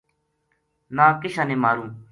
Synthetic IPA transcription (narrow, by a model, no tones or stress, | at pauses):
nãːkɪɕaneːmaːɾũː